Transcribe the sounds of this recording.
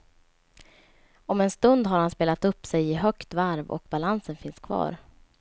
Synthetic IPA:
ɔmɛnst̪ɵnd̪ɦaɾhanspeːlat̪ɵpːsɛjɪɦœkt̪vaɾvɔ̰k̚balansənfɪnskʰvɑ̰ːɾ

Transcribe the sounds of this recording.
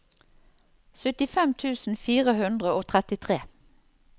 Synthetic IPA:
sʏt̪ɪfɛmt̪ʰʉːsn̩fiːʁəhʉnd̪ʁəoːt̪ʰʁɛt̪ɪt̪ʰʁeː

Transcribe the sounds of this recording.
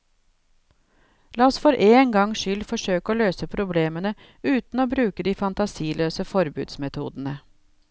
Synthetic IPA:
lɑːɔsfɔɾʔeːŋɡɑŋʃʏlfɔʂøːkoːløːsəpʰɾʊbleːmənə | ʉːt̪noːbɾʉːkəd̪iːfɑnt̪ɑsiːløːsəfɔɾbʉ̰ːd̪smɛt̪ʰṵːd̪nə

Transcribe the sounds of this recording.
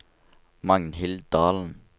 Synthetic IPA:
mɑŋnɦɪld̪ɑːln̩

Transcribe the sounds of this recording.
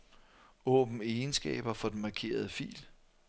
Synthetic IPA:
ɔ̰̽ːb̥n̩ensɡ̥ɛ̰ːb̥ɐfɒ̽d̥enmɑ̈kʰe̝̰ːɐð̞ˠəfḭːl

